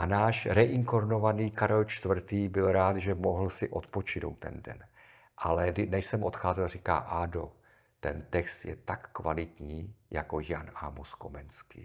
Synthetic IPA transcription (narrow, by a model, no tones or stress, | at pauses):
ʔanaːʃɾɛʔɪŋkoɾno̞vaniːkaɾɛlt͡ʃt̪vr̩t̪iːbɪlɾaːt̪ʒɛmoɦl̩sɪʔo̞t̪po̞t͡ʃɪno̞̰wt̪ːɛ̰ndɛ̰n | ʔalɛnɛʃsɛmʔo̞t̪xaːzɛlriːka̰ːʔaːdo̞ | t̪ɛnt̪ɛkst̪jɛ̰t̪akːvalɪt̪ɲiːjako̞janamusko̞̰mɛnskḭː